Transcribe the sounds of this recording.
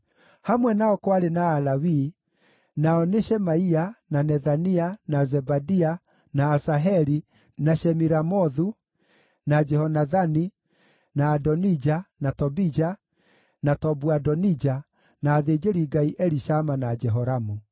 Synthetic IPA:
hamwɛnaɔkwaɾenaːlawi | naɔneʃɛmaiananɛðanianazɛbadia | naːsaɦɛɾi | naʃɛmiɾamɔðu | nad͡ʒɛhɔnaðani | naːdɔnid͡ʒanatɔbid͡ʒa | natɔbuadɔnid͡ʒa | naːðed͡ʒeɾiɡaiʔɛɾiʃamanad͡ʒɛɦɔɾamu

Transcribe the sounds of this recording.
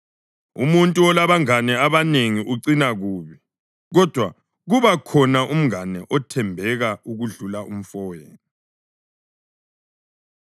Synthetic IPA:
ṵmuntʼuɔlaβaŋanɛaβaneŋiʔuǀinaɣuːβi | ɣɔd̥ʱwa | ɣuβakʰɔnaʔum̩ŋanɛʔɔtʰɛmbʱɛɣauɣuɮulaʔum̩fɔːjɛni

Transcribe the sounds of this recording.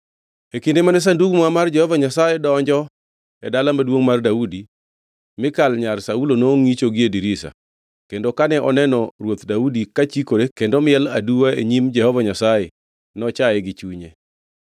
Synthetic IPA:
ekindemanɛs̬anduɡmamard͡ʒɛhɔvaɲasajedɔɲd͡ʒɔ | ɛdalamadwoŋmardaudi | mɪkalɲarsaulonoŋit͡ʃoɡɪediɾisa̰ | kendokanɛʔɔnɛnɔrwot̪daudikat͡ʃikoɾekendomɪɛladuwaḛɲimd͡ʒɛhɔvaɲasaje | nɔt͡ʃaɛɡɪt͡ʃuɲe

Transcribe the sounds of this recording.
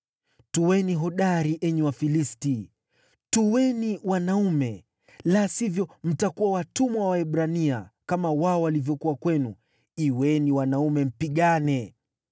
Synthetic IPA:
tuwɛniɦɔɗaɾiʔɛɲɛwafilisti | tuwɛniwanaumɛ | lasivjɔm̩takuwawatumawwaɛɓɾania̰kamawaɔwalivjɔkuwakwɛnu | iwɛniwanaumɛm̩piɠanɛ

